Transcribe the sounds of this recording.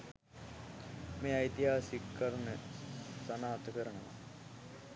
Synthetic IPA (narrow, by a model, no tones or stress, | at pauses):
meːajt̪iɦaːsikːaɾnəsanaɦɐt̪əkəɾənəʋa